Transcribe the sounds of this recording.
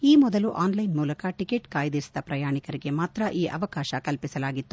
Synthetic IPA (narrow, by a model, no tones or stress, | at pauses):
iːmɔd̪ɐluʔaːnlɐjnmuːlɐkɐʈikeʈkaːjd̪iɾsid̪ɐpɾɐjaːɳikɐɾiɡe̞maːt̪ɾɐʔiːʔɐ̰ʋɐkaːʃɐkɐlpisɐlaːɡit̪ːu